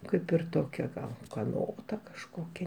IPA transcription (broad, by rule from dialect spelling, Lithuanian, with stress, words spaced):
ˈkɐɪp ɪr ˈtoːkʲɛ ɡɐlˠ ʊkɐˈnoːtɐ kɐʃˈkoːkʲɛ